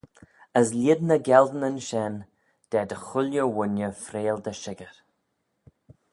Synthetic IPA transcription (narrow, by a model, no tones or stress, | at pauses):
əs̬lʲɪd̪nəɡɛld̪ənənʃɛn | d̪̥ɛd̪əxʊljəwʊnjəfɾeːld̪əʃɪɡəɾ